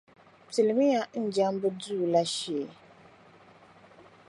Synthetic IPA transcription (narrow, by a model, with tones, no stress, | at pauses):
ti˨lɪ˨mɪ˦ja˦n̩˦d͡ʒa˦m˦bɨ˦duː˦˨la˦ʃi˨ɛ˨